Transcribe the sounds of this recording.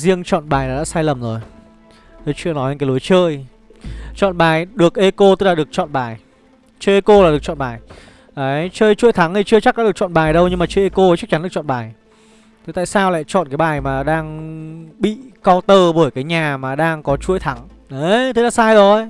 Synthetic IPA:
zi˧əŋt͡ɕɔ̰˧˨nɓaː˨˩jlaː˨˩ɗa̰ː˧˥saː˧jlə˨˩mzo˨˩j | t̪o˧jt͡ɕɨ˧ənɔ˨˦jɲə̰˧kːaː˨˦lu˨˦jt͡ɕəː˧j | t͡ɕɔ̰˧˨nɓaː˨˩jɗɨ˨˩ək̚ʔe˧ko˧t̪ɨ˦˥k̚laː˨ɗɨ˨˩ək̚t͡ɕɔ̰˧˨nɓaː˨˩j | t͡ɕəː˧jʔe˧ko˧laː˨˩ɗək̚t͡ɕɔ̰˧˨nɓaː˨˩j | ʔəː˨˦jt͡ɕəː˧jt͡ɕṵ˧˥əjt̪ʰa˨˦ŋt̪ʰi˨˩t͡ɕɨ˧ət͡ɕa˦˥ɗa̰ː˧˥ɗ̚t͡ɕɔ̰˧˨nɓaː˨˩jɗə˧wɲɨ˧ŋmaː˨˩t͡ɕəː˧jʔe˧ko˧˦t͡ɕa˦˥k̚t͡ɕa˨˦nɗɨ˨˩kt͡ɕɔ̰˧˨ɓaː˨˩j | t̪ʰe˨˦t̪a̰ː˧˨saː˧wla̰ː˧˨jt͡ɕɔ̰˧˨nkaː˨˦jɓaː˨˩jmaː˨˩ɗaː˧ŋɓḭ˧˨kɔ˧wt̪əː˧ɓəː˧˩jkaː˨˦jɲaː˨˩maː˨˩ɗaː˧ŋkɔ˨˦t͡ɕu˨˧˦əjt̪ʰa˨˦ŋ | ə˨˦t̪ʰe˨˦la̰ː˧˥saː˧jzo˨˩j

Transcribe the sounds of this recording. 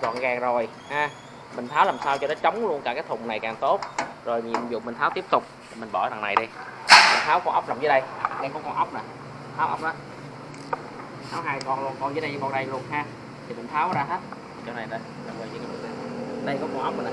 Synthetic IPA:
zɔ̰˧˨nɣaː˨˩ŋzo˨˩j | haː˧ | mï˨˩ŋ̟t̪ʰaː˨˦wlaː˨˩msaː˧wt͡ɕɔ˧ɗe˨˦t͡ɕə˨˦wŋ͡mlu˧ənkaː˧˩kaː˨˦jt̪ʰʊ˨˩ŋ͡mna˨˩jkaː˨˩ŋt̪o˦˥t̚zo˨˩jmi˨˩zṵ˨˩mi˨˩ŋ̟t̪ʰaː˨˦wt̪i˦˥p̚t̪ʊ˨˩k͡p̚ | i˨˩mi˨˩ŋ̟ɓɔ˧˩za˨˩ŋna˨˩jɗi˧˨˩m˨˩ŋ̟t̪ʰaː˨˦wkɔ˧˦ʔə˦˥wk͡p̚lːa˨˩mzəː˨˦jɗə˧jɗə˧jkɔ˨˦kɔ˧nʔə˦˥wk͡p̚na˨˩˧ | t̪ʰaː˨˦wʔə̰˦˥wk͡p̚ʔɔː˨˦ | haː˨˦wɦaː˧jkɔ˧˩nlu˧ənkɔ˧nzəː˨˦jɗə˧jə˨˦ɓɔ˧nɗə˧jlu˧ənɦaː˧ | t̪ʰi˨˩mï˨˩ŋ̟t̪ʰaː˨˦wzaː˧ɦe˦˥t̪̚ʰi˨˩t͡ɕɔ˧wna˨˩jɗə˧j | ɗa˧˩wvəː˨˩vi˨˩kaː˨˦u˨˩na˨˩˨ɗə˧jkɔ˨˦kɔ˧˩ʔk͡p̚mi˨˩ʔ

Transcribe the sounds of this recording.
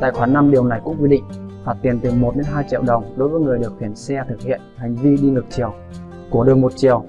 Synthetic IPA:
t̪a̰ː˧˨jxwaː˧˩na˧mɗi˨˩əwna˨˩jkʊ̰˧˥ŋ͡mkwi˧ɗḭ˧˨ŋ̟vaː˨˩t̪i˨˩ənt̪ɨ˨˩mo˨˩t̚ɗe˨˦nɦaː˧jt͡ɕḭ˧˨wɗə˨˩wŋ͡mɗo˨˦jvəː˨˦jŋɨ˨˩əjɗɨ˨˩ək̚xi˧˩ənsɛ˧t̪ʰɨ˨˩k̚hḭ˧˨ənha˨˩jŋ̟vi˧ɗi˧n˨˩ək̚t͡ɕi˨˩əw | ku˧˩əɗəː˨˩jmo˨˩t̚t͡ɕi˧˩əw

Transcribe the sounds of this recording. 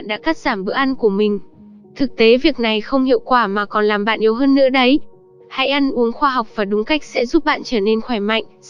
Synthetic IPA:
nɗa̰ː˧˥kaː˦˥t̚z̥aː˧˩mɓɨ̰˧˥ʔa˧nku˧˩əmï˨˩ŋ̟ | t̪ʰɨ˨˩k̚t̪e˨˦vi˨˩ək̚na˨˩jxə˧wŋ͡mhḭ˧˨wkwaː˧˩maː˨˩kɔ˨˩nlaː˨˩mɓa̰ː˧˨nʔi˨˦əwɦəː˧nːɨ̰˧˥əɗə˨˦j | ha̰˧˥jʔa˧nʔu˨˦əŋxwaː˧ɦa˨˩wk͡p̚v̥aː˨˩ɗʊ˨˦ŋ͡mka˦˥k̚sɛ̰˧˥zu˦˥p̚ɓa̰ː˧˨nt͡ɕəː˧˩ne˧nxwaː˧˩jma̰˧˨jŋ̟

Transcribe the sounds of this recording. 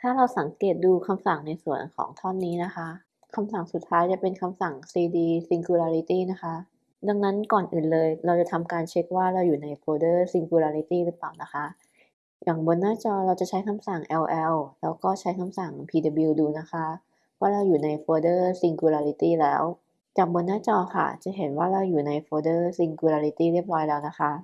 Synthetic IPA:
t̪ʰaː˥˩ɾa˧wsa˩˦ŋkeː˨˩t̪̚duː˧kʰa˧msa˨˩ŋna˧jsu˨˩ənkʰɔ̰ː˩˦ŋt̪ʰɔ˥˩nːiː˦˥na˦˥kʰa˦˥ʔ | kʰa˧msa˨˩ŋsu˨˩t̪ʰːaː˦˥jt͡ɕa˨˩pe˧nkʰa˧msa˨˩ŋsiː˧diː˧si˧ŋkuː˧laː˧ɾi˦˥t̪iː˥˩na˦˥kʰa˦˥ | da˧ŋna˦˥nkɔː˨˩nʔɯː˨˩nlɤː˧jɾa˧wt͡ɕa˨˩t̪ʰa˧mkaː˧nt͡ɕʰe˦˥k̚waː˥˩ɾa˧wjuː˨˩na˧jpʰoː˧dɤː˥˩si˧ŋkuː˧laː˧ɾi˦˥t̪iː˥˩ɾɯ˦˥plaː˨˩wna˦˥kʰa˦˥ʔ | jaː˨˩ŋbo˧nːaː˥˩t͡ɕɔː˧ɾa˧wt͡ɕa˨˩t͡ɕʰa˦˥jkʰa˧msa˨˩ŋʔɛ˧wʔɛ˧wlɛː˦˥wkɔː˥˩t͡ɕʰa˦˥jkʰa˧msa˨˩ŋpʰiː˧da˧bi˧wduː˧na˦˥kʰa˦˥ | waː˥˩ɾa˧wjuː˨˩na˧jfʰoː˧dɤː˥˩si˧ŋkuː˧laː˧ɾi˧˥t̪iː˥˩lɛː˦˥w | t͡ɕaː˨˩k̚bo˧nːaː˥˩t͡ɕɔː˧kʰa̰˥˩t͡ɕa˨˩ɦe˩˦nwaː˥˩ɾa˧wjuː˨˩na˧jfʰoː˧dɤː˥˩si˧ŋkuː˧laː˧ɾi˧˥t̪iː˥˩ɾi˥˩əp̚ɾɔː˦˥jlɛː˦˥wna˦˥kʰa˦˥ʔ

